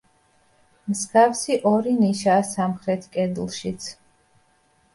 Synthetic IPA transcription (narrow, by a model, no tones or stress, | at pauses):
mskʰafsiʔɔɾiniʃaːsamχɾɛt̪ʰkʼɛd̪ulˠʃit̪sʰ